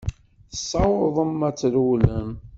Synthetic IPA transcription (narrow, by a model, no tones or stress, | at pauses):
θəsˤːɑwəðˤəmæt͡sːluləm